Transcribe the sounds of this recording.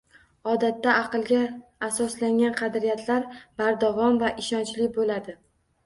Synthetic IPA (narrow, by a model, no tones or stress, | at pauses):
ɒd̪at̪ːaʔɑqɨlˠɡʲaːsɒslaŋɡʲanqʰɑd̪ɾijat̪ʰlaɾb̥aɾd̪avɒmvaʔɪʃɒnt͡ʃlɪbolad̪ɪ